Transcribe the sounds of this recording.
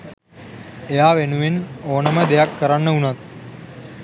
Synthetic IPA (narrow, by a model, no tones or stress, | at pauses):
ejaːʋenuʋenoːnɐmɐd̪ejakːɐɾanːɐunɐt̪̚